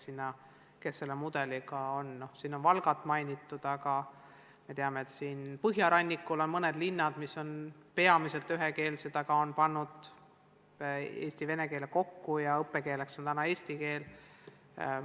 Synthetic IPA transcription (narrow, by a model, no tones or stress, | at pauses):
sinːɑ | ke̞sːe̞lːemud̪̥e̞likɑo̞nno̞hsiːno̞nvɑlɡɑt̪ːˑmɑjnʲit̪ːˑud̪̥ɑɡɑ | me̞t̪e̞ɑmeːt̪siːnpɤɦjɑɾɑnʲːikːˑulo̞nmɤned̪̥linːɑd̪̥misːo̞npe̞ɑmise̞lt̪ːˑyɦeke̞ːlsed̪̥ɑkɑo̞npɑnːud̪̥ | e̞̰ːsʲt̪ive̞neke̞ːleko̞kːujɑɤpːeke̞ːle̞kso̞nt̪ænɑe̞ːsʲt̪ike̞ːl